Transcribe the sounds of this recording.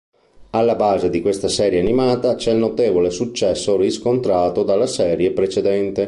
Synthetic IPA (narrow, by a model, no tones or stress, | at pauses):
alːabaːzed̪ikwest̪asɛːɾjeanimaːt̪at͡ʃɛlnot̪eːvolesut͡ʃːɛsːoriskont̪ɾaːt̪od̪alːasɛːɾjepɾet͡ʃed̪ɛnt̪e